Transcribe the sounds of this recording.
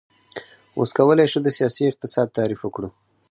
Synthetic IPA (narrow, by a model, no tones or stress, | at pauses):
wo̰skawəlajʃud̪əsijɑsiɪq̚t̪ɪsɑd̪̚t̪ɑɾifəkɽu